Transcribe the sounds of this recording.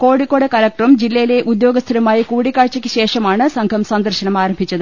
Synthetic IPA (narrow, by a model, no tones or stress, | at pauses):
ko̞ːɽikːo̞ːɽekɐlɐk̚ʈrumd͡ʑilːɐjile̞ʔud̪jo̞ːɡɐst̪ʰɐɾɐmaːjikuːɽikːaːɻt͡ɕɐkʲːɨɕe̞ːʂɐmaːɳɨsɐŋɡʰʱɐmsɐnd̪ɐrɕɐnɐmaːɾɐmbʱit͡ɕːɐðɨ